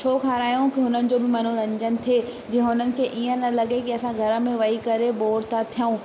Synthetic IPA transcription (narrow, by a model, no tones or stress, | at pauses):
t͡ʃʰoːkʰaːɾaːjõkiɦʊnənɪ̆d͡ʑoːbɪmɐn̤uɾɐ̃ɲd͡ʑənɪ̆t̪ʰeːd͡ʑiɦə̃ɦʊnənɪ̆kʰeːʔiə̃nɐlɐɠekiɐsãɡʱɐɾə̆mẽʋɐikɐɾeboːɾt̪at̪ʰijəũː